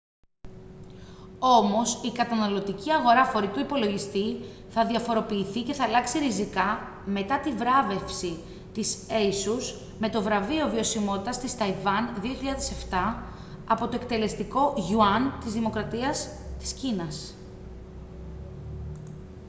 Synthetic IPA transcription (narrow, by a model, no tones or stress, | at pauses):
o̞mo̞sikɐt̪ɐnɐlo̞t̪iciɐɣo̞ɾɐxo̞ɾit̪uipo̞lo̞ʝist̪i | θɐðiɐfo̞ɾo̞piːθice̞θɐːlɐksiɾizikɐ | me̞t̪ɐt̪ivɾɐve̞fsi | t̪iseisus | me̞t̪o̞vɾɐvio̞vio̞simo̞t̪i̥t̪ɐst̪ist̪ɐivɐnðio̞çiʎɐðese̞ft̪ɐ | ɐpo̞t̪o̞ek̚t̪e̞le̞st̪iko̞ʝuɐnt̪izðimo̞kɾɐt̪iɐs | t̪i̥scinɐs